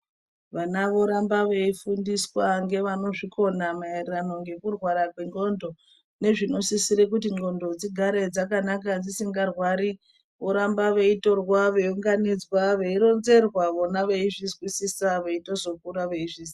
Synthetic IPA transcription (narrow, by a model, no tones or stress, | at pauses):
ʋanaʋo̞ɾambaʋe̞ifundiswaŋɡe̞ʋano̞ʐikʰo̞namaerirano̞ŋɡe̞kurwaɾakweŋɡo̞ndo̞ | ne̞ʐino̞sisiɾek̬ut̬iŋɡo̞ndo̞d͡ziɡʱaɾe̞d͡zakanakad͡zisiŋɡarwaɾi | ʋo̞ɾambaʋe̞ito̞rwaʋe̞uŋɡanid͡zwaʋeiɾo̞nze̞rwaʋonaʋeiʐizwisisaʋeito̞zo̞kuɾaʋe̞iʐiːsi̥